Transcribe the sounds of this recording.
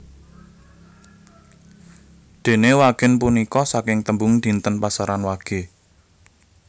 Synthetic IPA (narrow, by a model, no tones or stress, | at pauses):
d̪̥e̤newaɡ̥ə̤npunikɔsakɪŋt̪əmbʊŋd̪̥i̤nt̪ənpasaɾanwaɡ̥e̤